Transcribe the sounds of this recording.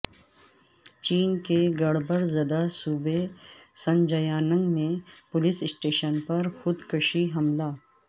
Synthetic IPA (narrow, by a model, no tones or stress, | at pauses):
t͡ʃiːnkeɡɐɽbəɾzɐd̪asuːbesɐ̃nd͡ʒɐjaːnə̃ŋɡmẽpʊlɪsɪsʈeːʃənpɐɾxʊd̪kʊʃiɦɐmlaː